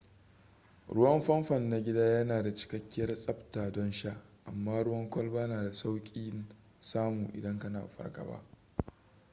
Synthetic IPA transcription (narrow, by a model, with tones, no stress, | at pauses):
ɽʊ˦wɐ˦mɸɐ˦mɸɐ˨nːa˨ɡʲɪ˦daː˦jɐ˦naː˨da˨t͡ʃɪ̥˦kɐ˦kʲːɪ˦jɐ˦rsʼɐ˦btaː˨dɔ˦nʃa˦ʔʔa̰˨mːaː˦ɽʊ˦wɐ˦ŋkʷɐ˦lbaː˦naː˨da˨sa˦wkʲʼiː˦n | saː˦muː˨ʔɪ̰˨dɐ˦ŋkɐ˦na̰ː˨ɸɐ̰˦rɡɐ̰˨ba̰˦ʔ